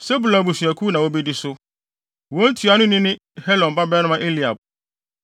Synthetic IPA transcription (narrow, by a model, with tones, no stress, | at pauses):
se˦bu˨la˨bu˨sɥæ˨kʰuː˦nã˨wo˦bi˦dɪ˦sʊ˦ | wɔ˨˦n̩˦tʰu˨a˨nʊ̃˦nɪ̃˦nɪ̃˦ | hɛ˦lɔ̃˨n˨ba˦bɛː˦nʊ̃˦mã˦ʔe˦li˨a˨b̚